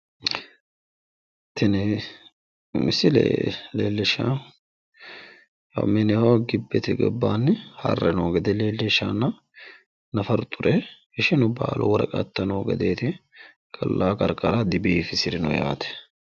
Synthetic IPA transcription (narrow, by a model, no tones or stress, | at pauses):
t̪ʰːɛnɛ | mɪsɪ̰leːlːɛʃa | jɐ̰mɛnɛhoɡɪbːɛt̪ɪɡɔ̰bːaːnːɪhɐ̰rːɛnoːɡɛd̪ɛleːlːɛʃa̰ːnːɐ | nɐfɐɾt̪ʼːʊɾʔɛ | ɛʃɛnʊbaːlʊ̰wɔɾɐ̰kʼɐ̰t̪ːɐnoːɡɐd̪eːt̪ɪ | kʼɐlːʔaːkʼɐɾkʼɐɾɐd̪ɪbiːfɪsɪɾɪnɔja̰ːt̪ɛ̥